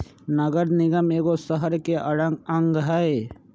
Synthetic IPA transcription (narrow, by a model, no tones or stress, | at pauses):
nɐɡəɾnɪɡəmeːɡosəɦəɾkeʔɐɽəŋɡɐ̃ŋɡɦɛe